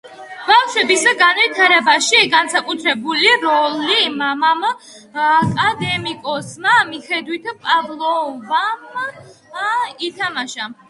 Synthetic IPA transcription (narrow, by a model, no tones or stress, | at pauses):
b̥afʃwɛbisɡanvit̪ʰaɾɛbaʃiɡansakʼut̪ʰɾɛbuliɾɔlimamam | akʼad̪ɛmikʼɔsmamiχɛd̪wit̪ʰpʼavlˠɔvam | it̪ʰamaʃa